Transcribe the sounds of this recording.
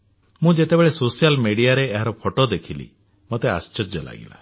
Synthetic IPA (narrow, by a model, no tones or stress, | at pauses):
mũd͡ʒet̪ebeɭesosijalmeɽiaɾeːɦaɾɔpʰoʈod̪ekʰilḭ | mot̪ea̰st͡ʃɔd͡ʒɔla̰ɡḭla̰